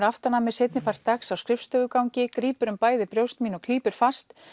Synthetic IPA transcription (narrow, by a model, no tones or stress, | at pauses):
ɾaft̪aɾnamɪsejt̪nɪpʰar̥t̪ːaksawskɾɪfst̪œːɣʏkawɲcɪkɾiːpʏɾʏmpaːjðɪpɾjowst̪miːnɔkʰliːpʏɾ̥fast̪